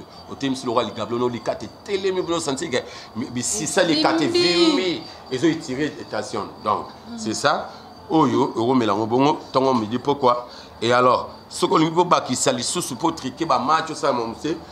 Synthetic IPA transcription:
otem̩isiloɣaliɡabonolikatetelemibonosãntikɛbisisalikatevemi | ezoitiʁeetasjɔ̰̃ndɔ̰̃ŋk | sesa | ojoeɣomelaŋoboŋotɔŋɔmidipokwa | ealɔ | sokoliiobakisalisusupotikebamat͡ʃosamɔmuse

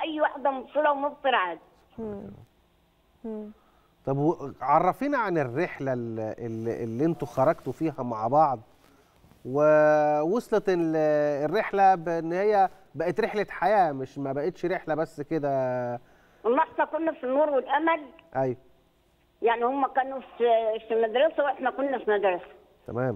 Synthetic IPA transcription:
ʔæjːwaħd̪æmobsˤelæwemobseɾʕaːd̪ | t̪ˤɑbweʕɑrˤːɑfiːnʕanerːeħlælʔelːelːiʔent̪oxɑɾˤɑɡt̪ofiːɦæmaʕbɑʕd̪ˤ | wewosˤlɑt̪eerːeħlæbeʔenːhejːæ | bæʔet̪ɾeħlæħajæːmeʃmæbæʔet̪ʃɾeħlæbæsːked̪æ | wɑlˤːɑħt̪ˤɑkonːæfinːoːɾwelʔæmælʔæjw | jaʕnihomːækæːnufifimæd̪ɾɑsæwʔet̪mækonːæfimæd̪ɾˤɑsæ̥ | t̪æ̰mæːm

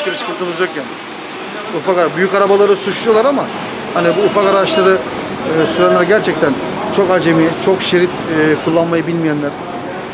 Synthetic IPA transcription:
kebʲit͡ʃʰɯ̥kɯnt̪ʰɯmɯzd̪ocan | ufakaɾabyjykaɾabalˠaɾɯsut͡ʃ̪ʰujolˠaɾama | hanibuːfakaɾaaʃlˠaɾɯ | ɯːsyɾænʲæɾɟæɾt͡ʃʰɛc̚t̪ʰæn | t͡ʃʰo̞kad͡ʒemit͡ʃʰo̞kʃeɾit̪ːkʰulˠːanmajɯbilʲmijænlʲæɾ

